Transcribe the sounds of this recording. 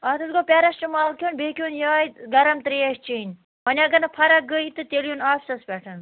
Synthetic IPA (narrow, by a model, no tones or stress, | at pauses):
ɐt̪ɨsɡopʲɛɾɐst͡ʃumaːlkʰʲonʲbeːkʲuːnjaːj̪ɡɐɾɐmt̪ɾeːʃt͡ʃʰiːnʲ | ɐnʲɐɡɐnɐpʰɐɾɐɡəjt̪ɨt̪eljunaːpʲsɐspʲɛʈʰɐn